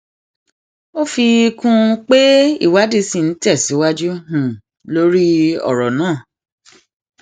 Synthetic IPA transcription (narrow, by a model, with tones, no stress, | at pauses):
o˦fi˧kũ˧k͡pe˦ḭ˦˨wa˨˦di˧˦si˦˨n̩˨˦tɛ˦˨si˨˦wa˦d͡ʒu˦hũ˦˨ | lo˦ɾi˦ɔ̰˦˨ɾɔ˨nãː˦˨